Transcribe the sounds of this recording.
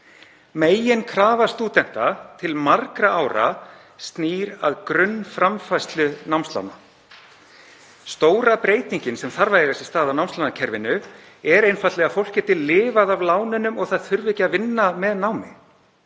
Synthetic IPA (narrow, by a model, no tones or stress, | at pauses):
meːjɪnkʰɾaːvast̪uːt̪ɛn̥t̪at̪ʰɪlmaɾkɾaʔawɾa̰ | st̪niːɾa̰ðkɾʏnːfɾamfajst̪lʏnawmst̪la̰wna | st̪oːwɾapɾeːjt̪iɲcɪnsɛmθaɾvajðɪasɪ̥st̪aːðawnawmst̪lanacʰɛɾvɪnːʏ | ɛɾejnfajt̪lɛɣafowl̥cɛːt̪ɪlɪːvaðavlaːwnɪnʏmɔɣθaðθʏɾvɪcavɪnːamɛðnaːwmɪ